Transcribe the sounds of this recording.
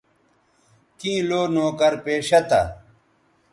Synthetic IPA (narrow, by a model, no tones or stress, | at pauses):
kĩːloːnoːkɐɾpeːɕɐt̪ɐ̰